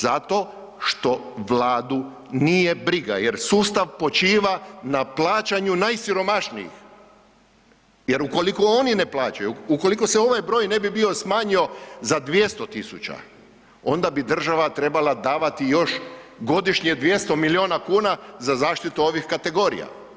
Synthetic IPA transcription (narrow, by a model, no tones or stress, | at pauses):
zat̪o̞ | ʃt̪o̞ʋlaːd̪u | nije̞bɾiɡa̰jeɾsuːst̪aʋpo̞t͡ʃiːʋanaplˠaːt͡ʃaɲunajsiɾo̞maʃnḭjḭx | je̞ɾuko̞liko̞onine̞plˠaːt͡ʃajuːko̞liko̞seo̞ʋajbɾo̞ːjne̞bibio̞smaːɲio̞zad̪ʋje̞st̪ot̪isut͡ɕa̰ | o̞nd̪abid̪r̩ʒaʋat̪ɾe̞balad̪aːʋat̪ijo̞ʃɡo̞d̪iʃɲed̪ʋje̞st̪o̞milio̞ːnakuːnazazaːʃt̪it̪uo̞ʋixkat̪e̞ɡo̞ːɾḭja̰